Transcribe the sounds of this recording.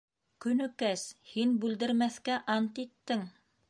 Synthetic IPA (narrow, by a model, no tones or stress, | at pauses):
kɵ̆nɵ̆kæshinbʉld̪ɘ̆ɾmæθkæʔɑnt̪it̪ːɘŋ